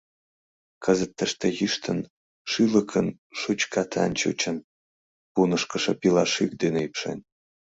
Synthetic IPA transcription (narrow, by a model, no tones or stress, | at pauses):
kʰəzət̪ːəʃt̪ejiʃt̪ʰən | ʃyləkʰən | ʃut͡ɕkɑt̪ʰɑ̰nt͡ɕṵt͡ɕən | punəʃkəʃĕpilɑʃik̚d̪eneipʃḛn